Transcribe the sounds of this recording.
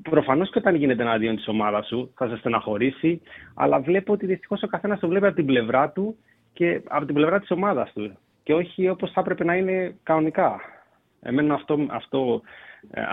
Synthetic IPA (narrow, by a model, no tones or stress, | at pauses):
pɾo̞fɐno̞sceot̪ɐnʝine̞t̪̬enɐðio̞nt̪i̥so̞mɐðɐsuθɐsɐst̪enɐxo̞ɾisiɐ̰lɐvle̞pot̪iðist̪i̥xo̞so̞kɐθe̞nɐst̪ovle̞piɐpot̪ible̞vɾɐt̪u | ce̞ɐ̰po̞t̪ible̞vɾɐt̪i̥so̞mɐðɐst̪u | ce̞o̞çio̞po̞sθɐpɾe̞pe̞nɐine̞kɐnonikɐ | ḛme̞nonɐft̪o̞ɐ̰ft̪o̞